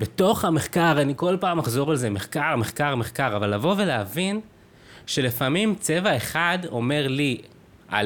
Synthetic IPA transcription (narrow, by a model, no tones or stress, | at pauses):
beto̞χhameχkaʁaniko̞lpaːmaχzo̞ʁalze̞meχkaʁme̞χkaʁmeχkaʁavalːavo̞ve̞leavin | ʃe̞lefamimt͡se̞vae̞χado̞̰me̞ʁli | a̰